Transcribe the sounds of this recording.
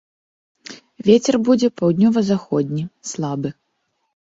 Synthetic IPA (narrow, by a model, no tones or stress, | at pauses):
vʲet͡sʲɛrbud͡zʲɛpawd̪ʲnʲɔvɐzaxɔd̪ʲnʲislˠabɨ